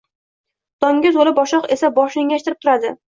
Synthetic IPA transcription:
d̪̥ɒŋɡʲɪzolɪpɒʃɒqesabɒʃeŋɡʲaʃt̪ɪɾɪpt̪ʰʊɾad̪ɪ

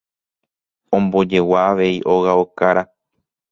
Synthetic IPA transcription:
õ̞mbo̞d͡ʒe̞waːʋe̞iʔo̞ɣaokaɾa

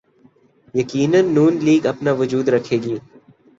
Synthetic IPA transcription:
jɐkiːnənːuːnliːɡɐpnaʋʊd͡ʒuːd̪ɾɐkʰeːɡiː

